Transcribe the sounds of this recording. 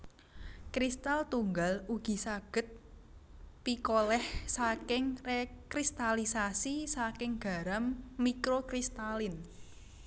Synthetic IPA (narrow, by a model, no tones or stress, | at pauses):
kɾist̪alt̪uŋɡaluɡ̥i̤saɡ̥ə̤t̪̚ | pikolɛhsakɪŋrekɾist̪alisasisakɪŋɡ̥a̤ɾamːikɾokɾist̪alɪn